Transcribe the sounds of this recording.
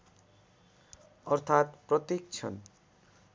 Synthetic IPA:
ʌɾt̪ʰat̪pɾʌt̪ik̚t͡ɕʰʌ̰n

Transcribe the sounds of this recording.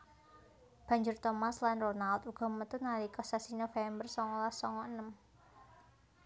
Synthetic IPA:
b̥a̤ɲd͡ʒʊrt̪ɔmaslanronalt̪uɡ̥ɔ̤mət̪ʊnalikɔsasinofɛmbərsɔŋɔlasɔŋɔənəm

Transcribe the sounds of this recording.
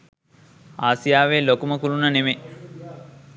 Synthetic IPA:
aːsijaːʋeːlokuməkulunɐneme

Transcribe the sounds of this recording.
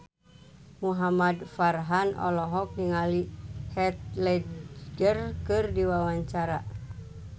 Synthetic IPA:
muɦamadfarɦanʔɔ̰lɔɦɔk̚niŋalihɛt̪̚lɛd͡ʒərkɨrdiwawaɲt͡ʃaɾa

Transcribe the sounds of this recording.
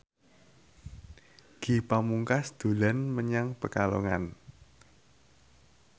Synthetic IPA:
ɡ̥i̤pamuŋkasd̪̥o̤lanməɲaŋpəkaloŋa̰n

